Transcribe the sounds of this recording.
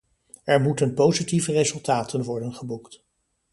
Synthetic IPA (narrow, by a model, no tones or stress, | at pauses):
ɛɹmutənpowzitivərezɵlˠtaːtʰənʋɔɹdənχəbukt